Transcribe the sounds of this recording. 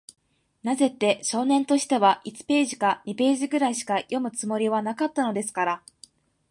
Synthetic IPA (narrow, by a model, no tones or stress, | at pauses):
naze̞t̪ːe̞ɕo̞ːnẽ̞nt̪o̞ɕi̥t̪e̞βaʔit͡sɨ̥pe̞ːʑi̥kaɲ̟ipe̞ːʑiɡɯ̟ɾaiɕi̥kajʔo̞mɯ̟t͡sɨmo̞ɾʲiβ̞anakat̪ːano̞d̪e̞sɨ̥kaɾa